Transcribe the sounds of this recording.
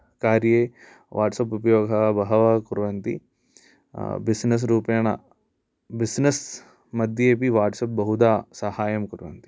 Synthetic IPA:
kaːɾjeː | ʋʔa̰ːʈsɐp̬upɐjoːɡʱɐbɐɦɐʋɐkuɾʋɐnt̪ḭ | bisnɐs̬ɾuːpjɐɳɐ | bisnɐs | mɐd̪ʱjeːpiʋaːʈsɐp̚bɐɦud̪aːsɐhaːjɐmkuɾʋɐ̰nt̪i̥

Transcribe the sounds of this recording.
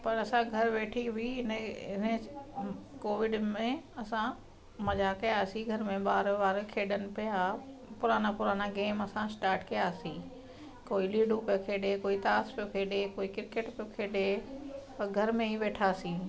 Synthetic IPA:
pɐɾɐsãɡʱɐɾʋeːʈʰibʱiɦɪnəɪnə | koːʋɪɖmẽɐsã | mɐd͡ʒaːkɐjaːsiɡʱɐɾmẽɓaːɾʋaːɾkʰeːɗənɪ̆pijapʊɾaːnapʊɾaːnaɡeːmɐsãsʈaːɾʈkɐjaːsĩ | koːiliːɖupjokʰeːɗekoːit̪aːspjokʰeːɗekoːikɪɾkeːʈpjokʰeːɗe | ɡʱɐɾmẽiʋeːʈʰaːsĩː

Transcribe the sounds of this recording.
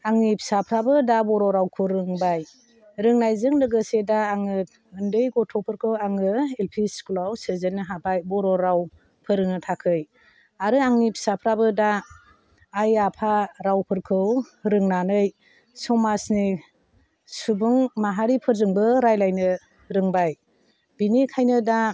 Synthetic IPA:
aŋnipʰi̥sapʰɾabɯdabɔɾɔɾawkʰɯɾɯŋbaj | ɾɯŋnajzɯŋdɯɡɯsedaːŋɯ | ɯndɯjɡɔtʰɔpʰɯɾkʰɯwaŋɯelpʰiskulawsɯzenːɯɦabajbɔɾɔɾaw | pʰɯɾɯŋnɯtʰakʰɯj | aɾɯaŋnipʰi̥sapʰɾabɯdaː | japʰaɾawpʰɯɾkʰɯwɾɯŋnanɯj | sɔmasni | subuŋmaɦaɾipʰɯɾzɯŋbɯɾajlajnɯ | ɾɯŋbaj | b̥inikʰajnɯda

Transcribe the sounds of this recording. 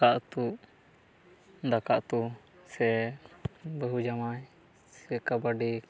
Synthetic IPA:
aʔt̪uʔ | d̪akaʔt̪u | sɛ | bəɦud͡ʒamaj | sɛkabaɖi

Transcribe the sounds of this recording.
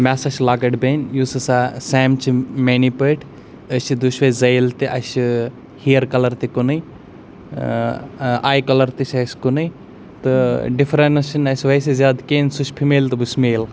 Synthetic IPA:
maːsɐʃʰlaːɡɐʈbenʲjusɐsasɛːmt͡ʃʰimeːnipəʈʰ | ət͡ʃʰid̪uʃʋɐzɐjlt̪iʔɐʃi | hijɐɾkɐlɐɾt̪ikunɨj | aːjkɐlɐɾt̪it͡ʃʰʲɐskunɨj | t̪ɨɖifʰɾɐnɐsinɐsʲʋɐjs̬ezjaːd̪keːnsut͡ʃʰpʰimeːlt̪ɨbusmeːl

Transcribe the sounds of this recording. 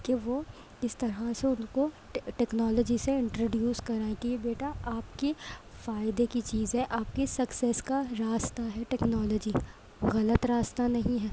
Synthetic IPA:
keʋo | ɪst̪ɐɾaseʊnko | ʈɛːknɔːlɔd͡ʒiseɪ̃ɳʈɾoːɖjuːskɐɾaːẽk̪iebeːʈaaːpke | faːɪd̪ekit͡ʃiːzɦɛʔaːp̚kesɐksɛːskaɾaːst̪aɦɛʈɛːknɔːlɔd͡ʒi | ɣɐlət̪ɾaːst̪anɐɦĩɦɛː

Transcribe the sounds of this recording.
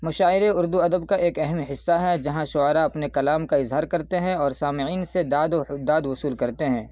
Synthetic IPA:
mɐʃaːɪɾeʊɾd̪uɐd̪əbkaʔeːkɛɦɛmɦɪsːaɦɛd͡ʒɐɦãʃʊaːɾaɐpnekɐlaːmkaɪzɦaːɾkɐɾt̪eɦɛ̃ɔːɾsaːmɪiːnsed̪aːd̪d̪aːd̪wʊsuːlkɐɾt̪eɦɛ̃ː

